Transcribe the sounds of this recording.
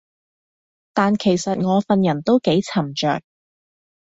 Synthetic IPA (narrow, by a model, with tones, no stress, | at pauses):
t̪aː˨nkʰe˨˩jsɐ˨t̚ŋɔː˨˧fɐ˨njɐ˨˩nt̪o˥wke˨˥jt͡sʰɐ˨˩mt͡ʃœ̰ː˨k̚